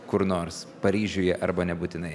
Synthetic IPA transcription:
kʊɾnoːɾspɐɾʲiːʒʲʊːjɛʔɐɾbɐnʲɛbuːt̪ʲɪnɐɪ

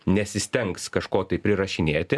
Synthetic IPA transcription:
nʲɛsʲɪsʲt̪ʲɛŋkskɐʃkoːt̪ɐɪpʲɾʲɪɾɐʃʲɪnʲeːt̪ʲɪ

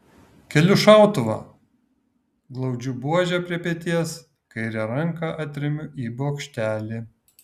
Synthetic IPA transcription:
kʲɛlʲʊʃɑˑʊt̪ʊʋɐ̰ | ɡlˠɐʊd͡ʒʲʊbuɔʒʲɛpʲɾʲiɛpʲiɛt̪ʲiɛs | kɐɪɾʲɛɾɐŋˑkɑʔɐt̪ʲɾʲɪmʲʊʔiːbɔkʃʲt̪ʲæːlʲiː

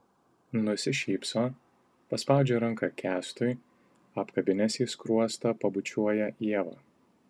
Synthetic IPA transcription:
nʊsʲɪʃʲiːpsoː | pɐspɑˑʊd͡ʒʲɛːɾɐŋˑkɐkʲæːst̪ʊɪ | ɐpkɐbʲɪnʲɛsʲiːskɾuɔst̪ɐpɐbʊt͡ʃʲuɔjɛʔiɛʋɐ̰ː

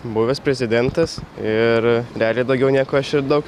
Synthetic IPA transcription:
bʊʋʲɛspʲɾʲɛzʲɪd̪ʲɛnt̪ɐsɪɾɾʲɛɑːlʲeːd̪ɐʊɡʲɛʊnʲiːkoːɐʃɪɾd̪ɐʊk

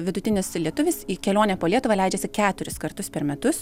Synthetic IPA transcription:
ʋʲɪd̪ʊt̪ʲɪnʲɪslʲiɛt̪ʊʋʲɪsiːkʲɛlʲoːnʲɛpoːlʲiɛt̪ʊʋɐlʲɛɪd͡ʒʲɛsʲɪkʲæːt̪ʊɾʲɪskɐrt̪ʊspʲɛɾmʲɛt̪ʊs

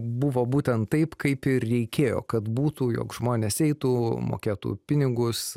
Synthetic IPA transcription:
bʊʋoːbuːt̪ʲɛnt̪tːɐɪpkɐɪpɪrrʲɛɪkʲeːjo̰ːkɐt̪buːt̪uːjo̰ːkʒ̥moːnʲeːsɛɪt̪uːmo̰ːkʲeːt̪ṵːpʲɪnʲɪɡʊs

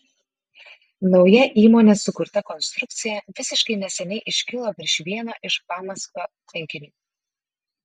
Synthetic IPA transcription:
nɒʊjɛʔiːmoːnʲesʊkʊɾt̪ɐkɔnst̪ɾʊk̚t̪sʲɪjɛʋʲɪsʲɪʃkɐɪnʲɛsʲɛnʲɛɪʔɪʃʲkʲɪlˠoːpʲɾʲɪʃʋʲiɛnoːʔɪʃpɑːmɐskoː | pʲɛŋʲkʲɪnʲuː

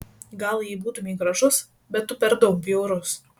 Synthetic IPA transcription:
ɡɐlˠjiːbuːt̪ʊmʲiːɡɾɐʒʊs | bʲɛt̪ːʊpʲɛɾd̪oːpʲiɛʊɾʊs

